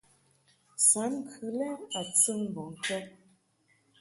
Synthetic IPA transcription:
sa˨˦m˦kʰɯ˨lɛ˦a˨t͡sə˦ŋ˨bɔ˨ŋ˨kɛ˦

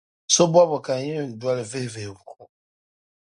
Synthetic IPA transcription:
so˦ba˦bɔ˨ka˨˦jɛ˦˨du˨a˦li˨ve˦˨ve˨bu˨

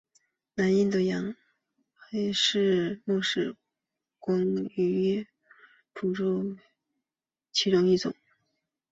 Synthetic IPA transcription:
na˧˥ni˥˩nt̪ə˧˩jɑ˧˥ŋ | xa˧˥ɪʂɻ̩˥˧mwɔ˥˧ʂɻ̩˥˩ | kwɑ˥ŋy˧˩˥ | pʰu˨˩ʈ͡ʂu˥˧ | t͡ɕʰi˧˥ʈ͡ʂʊ˥˧ŋi˥˩ʈ͡ʂʊ̰˨˩˦ŋ

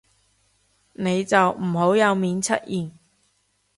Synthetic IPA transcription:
ne˨˧jt͡sɐ˨wm̩˨˩ɦo˨˥wjɐ˨˧wmiː˨˥nt͡sʰɐ̰˥t̚jiː˨n

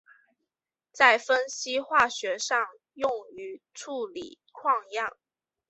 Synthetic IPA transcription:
t͡sa˥˩ɪfə˥nɕi˥xwa˥˩ɕɥɛ˧˥ʂɑ˥˧ŋ | jʊ˥˩ŋy˧˥ | ʈ͡ʂʰu˥˩lḭ˨˩ | kʰwɑ˥˧ŋjɑ˥˩ŋ

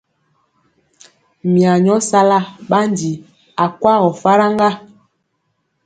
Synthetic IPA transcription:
mi˨a˨ɲɔ˦sa˦la˦ɓa˦ndi˨ | a˨kwa˦ɣɔ˨fa˦ɾa˦ŋɡa˦

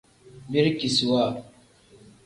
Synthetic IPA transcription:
mi˦ɾki˨swa˦˨

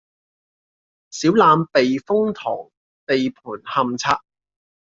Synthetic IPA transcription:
siː˨˥wlaː˨˧mpe˨jfʊ˥ŋt̪ʰɔ̰ː˨˩ŋ | t̪e˨jpʰuː˨˩nhɐ˨˧mt͡sʰaː˧k̚

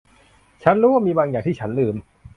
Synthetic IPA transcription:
t͡ɕʰa˦˥nɾuː˦˥wa˥˩miː˧baː˧ŋjaː˨˩t̪iː˥˩t͡ɕʰa˦˥nlɯː˧m

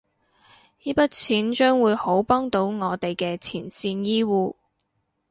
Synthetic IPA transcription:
jiː˥pɐ˥t̚t͡sʰiː˨˥nt͡ʃœː˥ŋwuː˨˧jho˨˥wpɔː˥ŋt̪o˨˥wŋɔː˨˧t̪e˨jkɛː˧t͡sʰiː˨˩nsiː˧njiː˥wuː˨˧

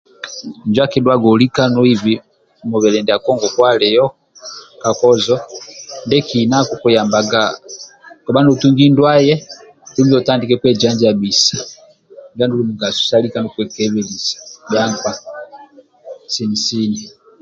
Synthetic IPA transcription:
nd͡ʒwa˦kɛ˦dwa˦ɡɔ˨li˦ka˦nɔ˦i˦vi˦ | mɔ˨βɛ˨lɛ˨ndɛ˨a˨kɔ˦ŋɡɔ˨kwa˦lɛ˨jɔ˦ | ka˨kɔ˦zɔ˦ndɛ˦kina˦kuku˨ja˨mba˨ɡa˨ | kɔ˨ba˦ndu˨tu˦ŋɡi˦ndwa˦jɛ˦ | du˦bi˦ɔ˨ta˦ndi˨kɛ˦kwɛ˦d͡ʒa˦nd͡ʒi˨a˨bi˨sḁ˨ | va˦ndu˦lu˨mu˨ŋɡa˨su̥˨sali˦ka˦nɔ˦kwɛ˨kɛ˦βɛ˨li˨sḁba˦ŋkwa˦ | si˨n˨si˦ni˨

